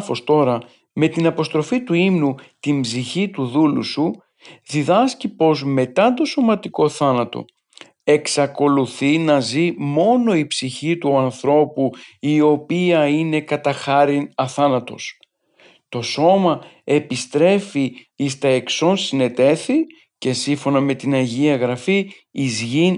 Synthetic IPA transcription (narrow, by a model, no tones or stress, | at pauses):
fost̪o̞ɾɐ | me̞t̪inɐpo̞st̪ɾo̞fit̪uimnut̪imbziçit̪uðulṵsu | ðiðɐscipo̞zme̞t̪ɐt̪o̞so̞mɐt̪iko̞θɐnɐt̪o̞̰ | e̞ksɐko̞luθinɐzimo̞no̞ipsiçit̪uɐnθɾo̞puio̞piɐine̞kɐt̪ɐxɐɾinɐθɐnɐt̪o̞̰s | t̪o̞so̞mɐ | e̞pist̪ɾe̞fi | ist̪ɐe̞kso̞nsine̞t̪e̞θi | ce̞siɱfo̞nɐme̞t̪inɐʝiɐɣɾɐfiː | zʝin